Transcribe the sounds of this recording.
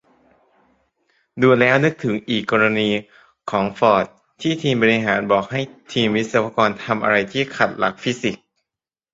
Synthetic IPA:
duː˧nlɛː˦˥wnɯ˦˥k̚t̪ʰɯ˩˦ŋʔiː˨˩kːɔː˧ɾa˧niː˧ | kʰɔː˩˦ŋfɔː˨˩t̪̚ʰːiː˥˩t̪ʰiː˧mbɔː˧ɾi˧ɦaː˩˦nbɔː˨˩k̚ha˥˩jt̪ʰiː˧mwi˦˥sa˧˩waː˧kɔː˧nt̪ʰa˧mʔa̰˧ɾa˧jt̪ʰiː˥˩kʰa˨˩t̪̚la˨˩k̚fi˦˥si˨˩k̚

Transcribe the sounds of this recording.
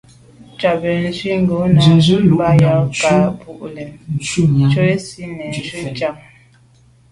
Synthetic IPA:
t͡ʃa˨bɛ˨n˦zwi˦ŋ˦ɡo˨˦na˨zba˨˦ja˨˦ka˨˦bu˨ʔlɛ˨˦ | t͡ʃo˦e˦si˦nɛ˨n˦zi˦˨t͡ʃa˦˨ŋ

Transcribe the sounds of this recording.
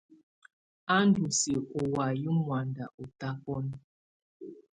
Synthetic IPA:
a˦n˦du˨se˨ɔ˨wa˨ji˦mwa˨nda˨o˨ta˦pɔ˦n˦

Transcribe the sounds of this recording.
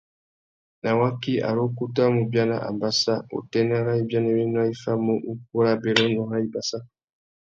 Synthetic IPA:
na˨wa˦ki˦a̰˨ɾo˦ku˦ta˦mu˨bja˦na˨ʔa̰˨mba˨sa˦o̰˨tɛ˦na˦ɾa˦i˦bja˦nɛ˨wɛ˦n˦a˦i˦fa˦mo˦u˦k̚u˦ɾa˦bɛ˨ɾɔ˦nɔ˨ɾa˦i˦ba˨sa˦

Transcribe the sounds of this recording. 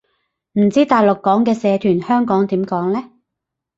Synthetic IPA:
m̩˨˩t͡siː˥t̪aː˨jlʊ˨kːɔː˨˥ŋkɛː˧sɛː˨˧t̪ʰyː˨˩nhœː˥ŋkɔː˨˥ŋt̪iː˨˥mkɔː˨˥ŋlɛː˥

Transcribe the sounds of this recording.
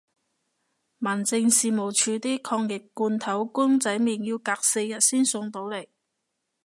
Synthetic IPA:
mɐ˨˩nt͡sɪ˧ŋsiː˨˧mo˨˩wt͡ʃʰyː˨˧t̪iː˥kʰɔː˧ŋjɪ˨kːuː˧nt̪ʰɐ˨˥wkʊ˥ŋt͡sɐ˨˥jmiː˨njiː˧wkaː˧k̚se˧jːɐ˨t̚siː˥nsʊ˧ŋt̪o˨˥wle˨˩j

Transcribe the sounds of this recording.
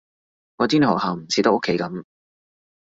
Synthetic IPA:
ŋɔː˨˧t̪i˥n˨hɔː˨˩khaː˨˩m̩˨˩t͡sʰiː˨˧t̪ɐ˥ʔʊ˥kʰːe˨˧˥jkɐ˨˥˦m

